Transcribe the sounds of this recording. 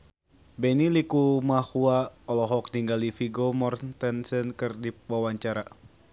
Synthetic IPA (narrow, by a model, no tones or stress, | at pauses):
bɛnilikumahuaɔlɔɦɔk̚niŋɡalifiɡomɔrnt̪ənsənkɨrdiwawaɲt͡ʃaɾa